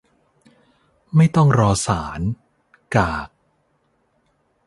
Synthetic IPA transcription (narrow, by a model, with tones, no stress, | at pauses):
ma˥˩jt̪ɔ˥˩ŋɾɔː˧saː˩˦n | kaː˨˩k̚